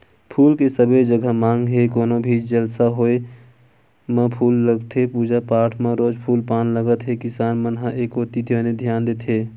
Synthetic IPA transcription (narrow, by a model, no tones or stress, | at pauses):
pʰuːlkesəbed͡ʒəɡʱəmãːŋɡɦekoːnõbʱiːd͡ʒd͡ʒəlsaɦoːe | mə̃pʰuːlːəɡt̪ʰɦepuːd͡ʒapaːʈʰmãɾoːd͡ʒpʰuːlpaːnləɡət̪ɦekɪsaːnmənɦãʔeːkoːt̪it̪ʰeəned̪ʱjaːnd̪eːt̪ʰɦeː